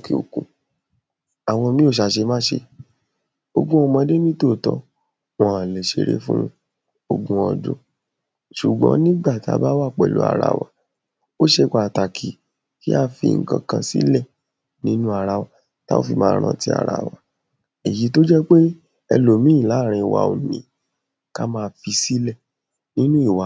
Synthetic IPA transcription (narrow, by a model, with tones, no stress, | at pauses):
ki˨o˨kũ˨ | a˨w̃ɔ̃˧mĩ˦o˦˨ʃ̬a˧ʃe˧mãː˦ʃe˧ | o˧ɡũ˦ɔ˧mɔ̃˧de˦mĩ˦to˦˨tɔ˦ | wɔ̃˦ã˨le˨ʃe˧ɾḛ˦fũ˦ | o˧ɡũ˧˦ɔ˧do̰˦ | ʃu˨ɡ͡bɔ̰̃˨˦nĩ˦ɡ͡ba˦˨ti˨˦a̰˧ba˦wa˦˨k͡pɛ˨lṵ˦a̰˧ɾa̰˧wa˨ | o˦ʃe˧ɡ͡ba˨ta˨kʰi˨ | ki˦a˦fḭ˧ŋ̩˦˧kã̰˧kã˧sḭ˦lɛ˦˨ | nĩ˦nũ˦a˧ɾa˧wa˨ | ta̰˦o̰˦fi˧mãː˧˦˧ɾ̃ã˧ti˦a̰˧˨ɾa̰˨wa˨ | i˨ji˨˦to˦d͡ʒɛ˦k͡pe˦ | ɛ˧lo˨mĩ˦i˦˨la˨˦˨ɾ̃ĩ˧˨wa̰˨o˨nĩ˨ | ka˦mãː˦˧fi˧si˦lɛ˦˨ | nĩ˦nũ˦i˦˨wa˨˦